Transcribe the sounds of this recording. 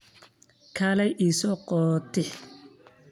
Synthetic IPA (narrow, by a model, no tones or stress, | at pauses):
kʰaːlɛjʔiːsɔqɔt̪ʰɪħ